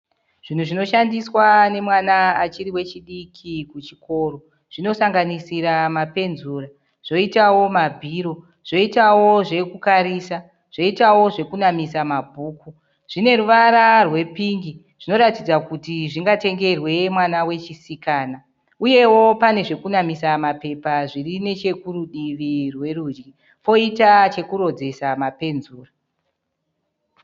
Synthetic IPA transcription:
ʐ̥in̤uʐino̞ʃandiswane̞mwanaːt͡ʃiɾiwe̞t͡ʃiɗikʰikut͡ʃiko̞ro̞ | ʐ̥ino̞saŋɡanisiɾamape̞nzuːra | ʐ̥o̞itawo̞mabʱiːɾo̞ | ʐ̥o̞itawo̞ʐe̞kukaɾisa | ʐ̥o̞itawo̞ʐe̞kunamisamabʱuːku | ʐ̥ine̞ɾuʋaɾarwe̞piŋɡi | ʐ̥ino̞ɾatid͡zakutiʐiŋɡate̞ŋɡe̞rwe̞mwanawe̞t͡ʃisikaːna | uje̞wo̞pane̞ʐe̞kunamisamape̞paʐirine̞t͡ʃe̞kuɾuɗiʋirwe̞rud͡ʒɡi | po̞itat͡ʃe̞kuɾo̞d͡ze̞samape̞nzuːra

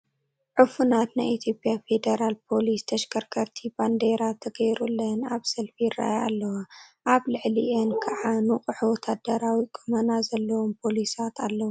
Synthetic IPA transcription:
ʕufunat̪najʔit̪ʰjo̞pʼjafe̞d̪eɾalpʰo̞list̪ʰɐʃɡɐɾkʰɐɾt̪ʰiband̪eɾat̪ʰɐɡɐjɾulːɐnaβsɐlfiɪra̰jaalːɐwaʔaβlɨʕliʔenkʰɐʕanuqʼɨħwɔt̪ʰad̪ɐɾawikʼʰomɐnazɐlːɐwompʰo̞lisat̪ʰalːɐwu

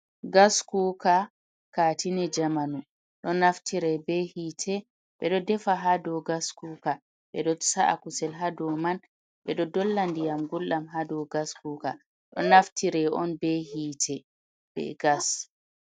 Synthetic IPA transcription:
ɡaskuːka | kaːtinɛd͡ʒamanu | ɗɔnaftʰiɾɛbɛhiːtʰɛ | ɓɛɗɔdɛfaɦadɔɡaskuːka | ɓɛɗɔtsaʔa̰kusɛlɦadɔman | ɓɛɗɔdɔlːandijamɡulɗamɦadɔɡaskuːka | ɗɔ̰naftʰiɾɛʔɔ̰nbɛɦiːtʰɛ | b̥ɛ̰ɡas

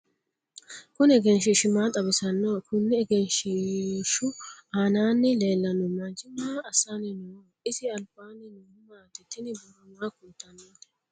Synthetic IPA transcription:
kʊnɛɡɛnʃ̬ɪʃɪmaːt̪ʼɐbɪsɐnːakʰʊnːɪɛɡɛnʃɪʃʊaːnaːnːɪleːlːɐnʊmad͡ʒɪmːaːɐsanɪno | ɪsɪɐlb̥aːnːɪnu | maːt̪ɛt̪ːɪnɪbʊɾʊnɐkʊnt̪ːɐnːoːt̪ɛ̥

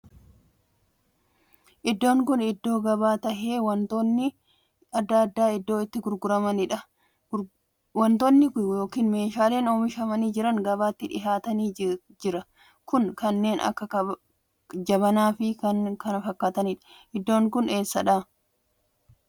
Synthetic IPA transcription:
ʔɪd̪ːo̞ːŋkʊnɪd̪ːo̞ːɡɐβaːt̪ɐhe̞ːwɐnt̪onːɪ | ɐd̪ːɐːd̪ːaːɪd̪ːo̞ːɪt̪ːɪɡʊɾɡʊɾɐmɐnɪᶑɐ | wɐnt̪onːɪjo̞ːkiːnme̞ːʃaːle̞ːnoːmɪʃɐmɐniːd͡ʒɪɾɐŋɡɐβaːt̪ːɪᶑɪ̰ɦaːt̪ɐniː | d͡ʒɪɾɐ | kʊnkɐnːe̞ːnʔɐ̰kːɐ | d͡ʒɐβɐnaːfɪkɐnkɐnɐfɐkːaːt̪ɐnɪᶑɐ̥ | ʔɪd̪ːo̞ːŋkʊne̞ːsːɐᶑaː

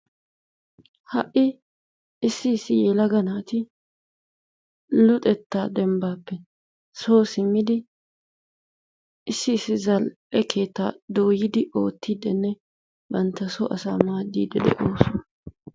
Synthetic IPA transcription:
hɐʔɪ | ɪsːɪːsːɪjeːlɐɡɐnaːt̪ɪ | lʊt̪ʼɛt̪ːaːd̪ɛmbaːpːɛ | so̞ːsɪmːɪd̪ɪ | ɪsːɪːsːɪzɐlʔɛkʰe̞ːt̪ːa̰ːd̪o̞ːjɪd̪ɪʔo̞ːt̪ːid̪ɛnːɛ | bɐnt̪ːɐso̰ʔɐsa̰ːmaːd̪ːiːd̪ɛd̪ɛ̰ʔoːsɔn

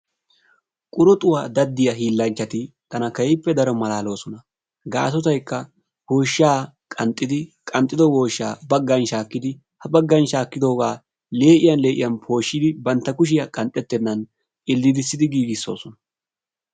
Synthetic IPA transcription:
kʼʊɾɔt̪ʼʊwaːd̪ɐd̪ːɪjɐɦiːlːɐnt͡ʃːɐt̪ɪ | t̪ɐnɐkɐjɪpːɛd̪ɐɾɔmɐlaːlo̞ːsɔnɐ | ɡa̰ːsɔt̪ɐjkːɐ | ho̞ːʃaː | kʼɐnt̪ʼːɪd̪ɪkʼɐnt̪ʼːɪd̪ɔwo̞ːʃːaːbɐɡːɐnʃaːkːɪd̪ɪ | hɐbɐɡːɐnʃaːkːɪd̪o̞ːɡaː | le̞ːʔɪjɐnle̞ːʔɪ̰jɐnpʰo̞ːʃːɪd̪ɪbɐnt̪ːɐkʊʃ̬ɪjɐkʼɐnt̪ʼːɛt̪ːɛnːɐn | ʔɪlːɪd̪ɪsːɪd̪ɪɡiːɡɪsːo̞̰ːsɔnɐ

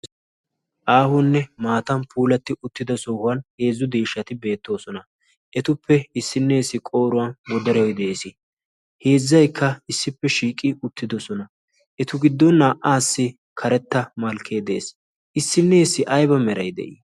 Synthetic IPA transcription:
ʔaːhʊnːɛmaːt̪ɐnpʰuːlɐt̪ːɪʔʊt̪ːɪd̪ɐsɔhʊwɐnhe̞ːzːʊd̪eːʃːɐt̪ɪbe̞ːt̪ːo̞ːsɔnɐ | ʔɛt̪ʊpʰːɛɪsːɪnːɛːsːɪkʼo̞ːɾʊwɐnbɔd̪ɐɾɛjɔjd̪ɛeːsɪ | he̞ːzːɐjkʰːɐɪsːɪpːɛʃiːkʼːɪʊt̪ːɪd̪ɔsɔnɐ | ʔɛt̪ʊɡɪd̪ːɔnːaːʔaːsːɪ | kʰɐɾɛt̪ːɐmɐlkʰe̞ːd̪e̞̰ːs | ʔɪsːɪnːɛsːɪʔɐjbɐmɛɾɐjd̪ɛ̰ʔi

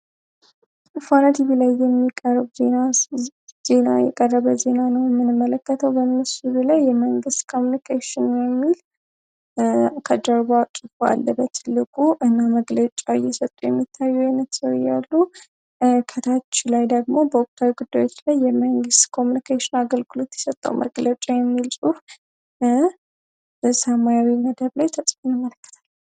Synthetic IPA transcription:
fanat̪ʰiɡlajːɛmːikʼərbzena | z̥e̞na̰jɛ̰kʼərːəβəze̞nanəwjɛmːɨnɨmːələkːət̪ʰəwbənːɨsɨd̪ulajːɛməŋɡɨst̪kʰomjunikʰeʃɪnjɛmːil | kʰəd̪əɾβat͡ʃʼɨfoa̰lːəbət̪ʰːɨlːɨkʼuʔɨnːaməɡlət͡ʃʼajɛsət̪ʼːujɛmːit̪ʰːajːuajnət̪səwjalːu | kʰət̪ʰat͡ʃːilajd̪əɡmo̞bəʊkʼt̪ʰawiɡud̪ːajwo̞t͡ʃːlajːɛməŋɡɨst̪kʰo̞munikʰeʃɪnaɡəlɡɨlo̞t̪jɛsət̪ʼːə̰wmʔə̰ɡlət͡ʃʼajɛmːilsʼuf | ɨsamajawiməd̪əβlajt̪ʰəsʼfɨnjɪmːələkːə̥t̪ʰḁl

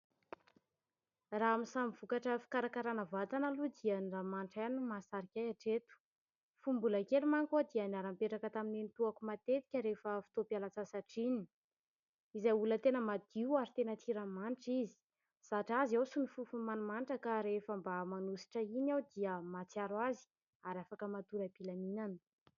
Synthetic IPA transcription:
raamisamiv̥ukaʈ͡ʂəfi̥kaɾakaɾanəvat̪analud̪iənramanʈ͡ʂanumasaɾikʲajaʈ͡ʂet̪u̥ | fumbulakelimaŋkod̪iənaɾampeʈ͡ʂakət̪amininit̪uakumat̪et̪i̥kʲəɾefəfi̥t̪opalat͡sasaʈ͡ʂini̥ | izajulət̪enəmad̪̥iwaɾit̪enət̪ʰiɾamanʈ͡ʂizi̥ | saʈ͡ʂazawsunifufumanumanʈ͡ʂəkaɾefəmbamanusi̥ʈ͡ʂəinawd̪iəmat͡siaɾwazi̥ | aɾafakəmat̪uɾəpilaminanə̥

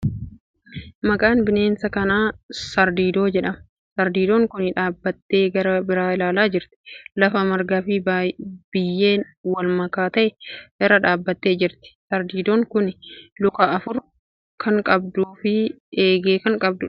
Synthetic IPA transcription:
mɐkʼaːnbɪne̞ːnsɐkɐnaːsɐɾd̪iːd̪o̞ːd͡ʒɛᶑɐmɐ | sɐɾd̪iːd̪o̞ːŋkʊnɪᶑaːbːɐt̪ːe̞ːɡɐɾɐbɪɾaːɪlaːlaːd͡ʒɪɾt̪ɪ̥lɐfɐmɐɾɡafɪb̥ɪjːe̞ːn | wɐlmɐkaːt̪ɐʔɛʔɪɾɐᶑaːbːɐt̪ːe̞ːd͡ʒɪɾt̪ɪ̥sɐɾd̪iːd̪o̞ːŋkʊnlʊkaʔɐfʊɾ | kʰɐŋkʼɐb̚d̪uːfɪ | eːɡeːkɐŋkʼɐb̚d̪ʊ

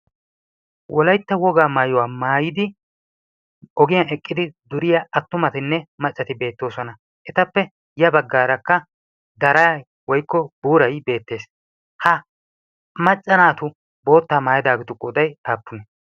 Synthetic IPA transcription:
wɔlɐjt̪ːɐwɔɡaːmaːjɔwaːmaːjɪd̪ɪ | ɔɡɪjaɛkʼːɪd̪ɪd̪ʊɾɪjɐɐt̪ːʊmɐt̪ɪnːɛmɐt͡ʃʼːɐt̪ɪbe̞ːt̪ːo̞ːsɔnɐ | ʔɛt̪ɐpːɛ | jɐbɐɡːaːɾɐkːɐ | d̪ɐɾaː | wɔjkːɔbuːɾɐjbe̞ːt̪ːe̞ːs | hɐ | mɐt͡ʃʼːɐnaːt̪ʊ | bo̞ːt̪ːaːmaːjɪd̪aːɡɪt̪ʊkʼɔd̪ɐjaːpːʊnɛ

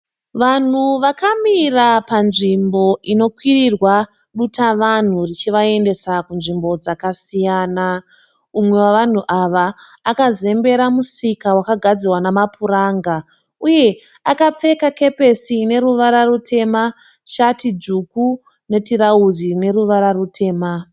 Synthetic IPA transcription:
ʋan̤uʋakamirapanʐimbo̞ʔino̞kwirirwa | ɗutaʋan̤urit͡ʃiʋae̞nde̞sakunʐimbo̞d͡zakasijaːna | umwe̞waʋan̤uʔaʋaːkaze̞mbe̞ɾamusikawakaɡʱad͡zirwanamapuɾaːŋɡa | uje̞ | akap͡fe̞kake̞pe̞sine̞ɾuʋaɾarutʰe̞ma | ʃatid͡ʒuku | ne̞tiɾauzine̞ɾuʋaɾarutʰe̞ːma

